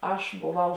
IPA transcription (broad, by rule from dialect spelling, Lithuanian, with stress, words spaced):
ˈɐʃ boːˈʋɐʊ